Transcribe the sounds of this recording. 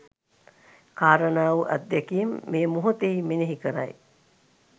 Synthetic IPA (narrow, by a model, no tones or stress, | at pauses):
kaːɾənaːʋuʔæ̰d̪ːækijemːeːmuɦut̪eimeneɦikəɾa̰j